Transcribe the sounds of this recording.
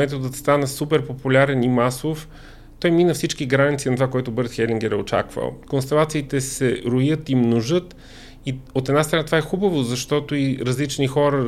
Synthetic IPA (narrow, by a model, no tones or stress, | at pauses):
ɛt̪od̪ət̪st̪anəsupɛɾpopulʲaɾɛnimasof | t̪ɔjminəfsit͡ʃkiɡɾanit̪siːnɐt̪ovakoɛt̪ʊbəɾt̪xɛlʲiŋɡɛɾɛot͡ʃa̰kvə̰lˠkonst̪ɛlˠat̪siːt̪ɛsɛɾʊjət̪imnoʒɤt̪ | iot̪ɛd̪nast̪ɾɐnat̪ovaɛxubəvozɐʃt̪ɔt̪oiɾɐzlit͡ʃnixɔɾə